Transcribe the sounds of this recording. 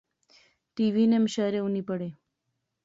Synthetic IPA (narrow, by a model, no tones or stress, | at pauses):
ʈiʋinemʃaɾeunipəɽe